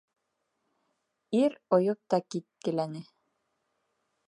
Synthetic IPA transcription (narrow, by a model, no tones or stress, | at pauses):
iɾŏjɤp̚t̪ɑkit̪̚kɘ̆lænɘ